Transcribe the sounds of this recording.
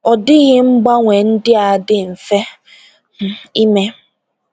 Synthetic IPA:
ɔ˨dɪ˦ɣɪ˦ŋ͡m̩˦ɡ͡ba˦ŋʷe˨n̩˦dɪ˦a˨dɪ˦n̩˨fe˦ | h̩˦i˦me˦

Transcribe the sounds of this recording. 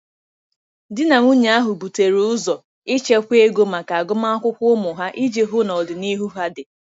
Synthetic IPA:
dɪ˦na˨ŋu˦ɲa˨˦a˦ɦʊ˨bu˨te˨ɾu˨˦ʊ˦zɔ˨ | ɪ˦t͡ʃe˦kʷe˦ɡo˦ma˨ka˨a˨ɡʊ˦ma˦a˦kʷʊ˦kʷʊ˦ʊ˦mʊ˨ɦa˦ʔi˦d͡ʒe˨ɦʊ˦nɔ˨dɪ˨ni˦ɦu˦ɦa˦dɪ˨

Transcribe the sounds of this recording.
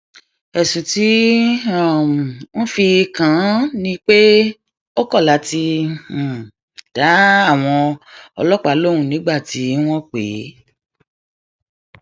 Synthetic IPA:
ɛ˨sũ˨ti˨˦a˦˨w̃ɔ̃˦fi˧kã˨˦nĩ˧˦k͡pe˦ | o˦kɔ˦˨la˨˦ti˧˨ | d̥a˨˦a˦˨w̃ɔ̃˧ɔ̰˧lɔ˦k͡pa˨˦lo˦˨ũ˨nĩ˨˦ɡ͡ba˦˨ti˨˦w̃ɔ̃˦k͡pe˨˦

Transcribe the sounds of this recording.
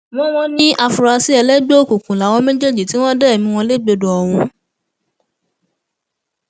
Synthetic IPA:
mɔ̃˦w̃ɔ̃˧ñĩ˦ʔa˧fu˨ɾa˧si˨˦ɛ˧lɛ˦ɡ͡be˦o˦˨ku˨kũ˨la˨˦w̃ɔ̃˧mẽ˦d͡ʒe˦d͡ʒi˨ti˨˦w̃ɔ̃˦dɛ˦˨mĩ˧w̃ɔ̃˧le˦ɡ͡be˨˧do˨ɔ˨w̃ũ˧

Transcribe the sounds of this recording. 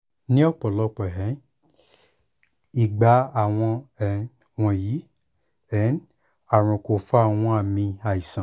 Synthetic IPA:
nĩ˦ɔ˦˨k͡pɔ˨lɔ˧˦k͡pɔ˨ɦɛ˨˦ | i˨ɡ͡ba˨˦a˦˨w̃ɔ̃˧ɛ˨ | w̃ɔ̃˧ji˨˦ | ɛ˨˦n | a˨ɾ̃ɔ̃˨ko˨fa˦˨w̃ɔ̃˧˦a˦˨mĩ˧a˨i˨sã˨

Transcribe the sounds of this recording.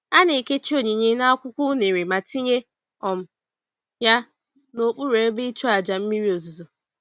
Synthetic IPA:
a˦ne˨ke˦t͡ʃi˦o˨ɲe˨ɲe˦na˦kʷʊ˦kʷʊ˦ne˨ɾe˨ma˨ti˦ɲe˦ | ɔ˨m̩˦˨ | ja˦ | no˨k͡pu˦ɾe˨e˦be˦i˦t͡ʃo˦a˨d͡ʒa˨m̩˦mi˦ɾi˦o˨zu˨zo˨

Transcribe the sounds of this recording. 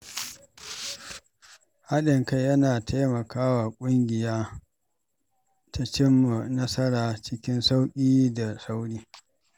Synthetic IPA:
ha˦ɗɪ˨ŋka˦jjɐ˦naː˨tʰa˦jmɐ˨kaː˦wa˨kʷʼʊ˦ŋɡʲɪ˨jaː˦ | tʰa˦t͡ʃɪ˦mːa˨nɐ˦sɐ˦ɽaː˨t͡ʃɪ˦kʲɪ˦nsa˦wkʲʼiː˦da˨sa˦wɽiː˦

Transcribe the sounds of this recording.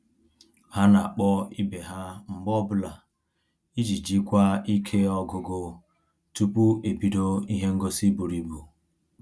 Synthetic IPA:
ha˦na˨k͡pɔ˦i˦be˨ɦa˦m̩˨bɔ˦bʊ˦la˨ | i˦d͡ʒi˨d͡ʒi˦kʷa˦i˦kʰe˦ɔ˦ɡʊ˨ɡo˨ | tu˦pu˦e˨bi˨do˦i˦ɦe˦ŋ̩˦ɡo˦si˦bu˨ɾi˨bu˨

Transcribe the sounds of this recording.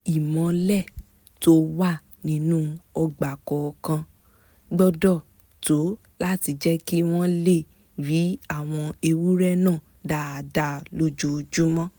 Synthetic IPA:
i˨mɔ̃˨˦lɛ˦˨ | to˦wa˦˨ | nĩ˧˦nũ˦ɔ˧ɡ͡ba˨kɔ˨˧kã˧ | ɡ͡bɔ˧dɔ˦˨ | to˨˦ | la˦ti˧d͡ʒɛ˦ki˦w̃ɔ̃˦le˦˨ | ɾi˨˦a˦˨w̃ɔ̃˧e˧wu˦ɾɛ˦nãː˦˨ | da˦˨da˧˦lo˧d͡ʒo˨˧d͡ʒu˦mɔ̃˦

